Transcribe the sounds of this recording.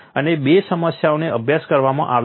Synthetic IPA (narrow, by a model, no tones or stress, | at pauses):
ənebesəməsjaoneəbʱjaskəɾʋamã̰ʔaʋ